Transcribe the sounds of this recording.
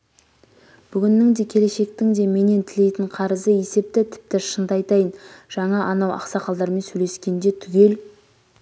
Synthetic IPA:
b̥ʏɡʲɪnːɪŋd̪e̞kʲʰe̞le̞ʃe̞k̚t̪ɪŋd̪e̞me̞ne̞nt̪ʰɪle̞jt̪ɪɴqʰɑɾəzəje̞se̞p̚t̪ɪt̪ʰɪ̥p̚t̪ɪʃənd̪əɑjt̪ɑjənʒ̥ɑɴɑʔɑnɑwɑ̰qsɑqʰɑlˠd̪ɑɾme̞nsɵle̞skʲe̞nd̪e̞t̪ʰʏɡʲe̞l

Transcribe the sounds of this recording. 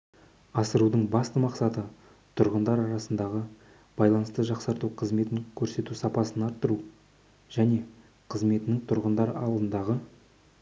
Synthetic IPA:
ɑsəɾud̪əɴbɑst̪əmɑqsɑt̪ə | t̪ʰʊɾʁənd̪ɑɾɑɾɑsənd̪ɑʁə | b̥ɑjlˠɑnəst̪əʒɑqsɑɾt̪uqʰəzme̞t̪ɪŋkʲʰɵɾse̞t̪usɑpɑsənɑɾt̪ːəɾu | ʒ̥æne̞ | qʰəzme̞t̪ɪnɪŋt̪ʰʊɾʁənd̪ɑɾɑlˠd̪ənd̪ɑʁə

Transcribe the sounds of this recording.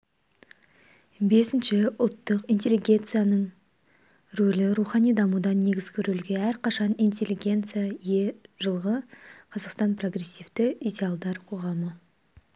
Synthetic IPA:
be̞sɪnʃɪʊlˠt̪ːəqijnt̪ʲe̞lːiɡʲe̞nt̪sɨjanəɴ | ɾolɪɾuχɑnijd̪ɑmud̪ɑnnːe̞ɡʲɪzɡʲɪɾɵlɡʲe̞æɾqʰɑʃɑnijntʲe̞lːiɡʲe̞nt̪sɨjaje̞ʒ̥əlˠʁəqʰɑzɑqst̪ɑnpro̞ɡre̞sʲːivt̪ɪijdʲealˠd̪ɑɾqʰo̞ʁɑmə

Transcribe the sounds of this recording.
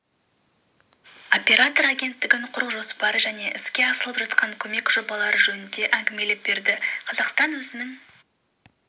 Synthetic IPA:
o̞pʲe̞ɾat̪o̞ɾaɡʲe̞nt̪ːɪɡʲɪɴqʰʊɾəqʒo̞spɑɾəʒæne̞ʔɪskʲe̞ɑsəlˠəpʒɑt̪qɑŋkʲʰɵme̞kʒ̥o̞bɑlˠɑɾəʒɵnɪnd̪e̞ʔæŋɡʲɪme̞lep̚be̞ɾd̪ɪqʰɑzɑqst̪ɑnwɵzɪnɪŋ

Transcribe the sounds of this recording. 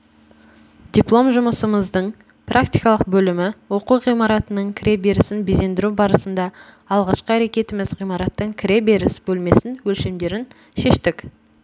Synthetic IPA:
d̪̥ʲiplˠo̞mʒʊməsəməzd̪əɴ | prʔakt̪ijkɑlˠəq̚bɵlɪmɪwo̞quʁijmɑɾɑt̪ənəɴkʲʰɪɾe̞be̞ɾɪsɪnbeze̞nd̪ɪɾubɑɾəsənd̪ɑ | ɑlˠʁɑʃqəæɾe̞kʲe̞t̪ɪmɪzʁijmɑɾɑt̪ːəɴkʲʰɪɾe̞be̞ɾɪsbɵlme̞sɪnwɵlʃe̞md̪e̞ɾɪn | ʃe̞ʃt̪ɪk

